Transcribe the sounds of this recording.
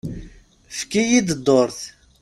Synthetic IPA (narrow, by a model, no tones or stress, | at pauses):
fkijid̪d̪ˤːoɾθ